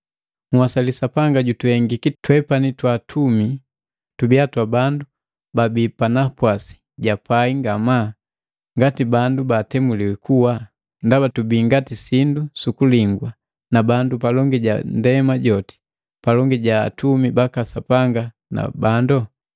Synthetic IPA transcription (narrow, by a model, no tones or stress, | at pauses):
ŋwasalisapaŋɡaɟutuhɛŋɡikitwɛpanitwatʰumi | tubiatwabandu | babipanapwasi̥ | ɟapaiŋɡama | ŋɡatibandubatɛmuliwɛkuwa | ndabatubiːŋɡatisindusukuliŋɡwa | nabandupalɔŋɡiɟa̰ndɛmaɟɔti̥ | palɔŋɡiɟa̰ːtumibakasapaŋɡa | na̰bandɔ